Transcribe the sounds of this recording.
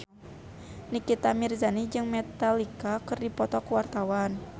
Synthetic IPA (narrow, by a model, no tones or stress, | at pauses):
nikit̪amirzanid͡ʒɨŋmɛt̪alikakɨrdipɔt̪ɔkuwart̪awan